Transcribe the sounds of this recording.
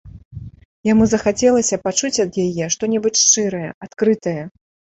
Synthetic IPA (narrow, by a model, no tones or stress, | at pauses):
jamuzɐxat͡sʲɛlˠɐsʲɐpat͡ʂut͡sʲɐd̪jajɛʂt̪ɔnʲɛbɨt͡sʲʂt͡ʂɨɾɐjɛat̪kɾɨt̪ɐjɐ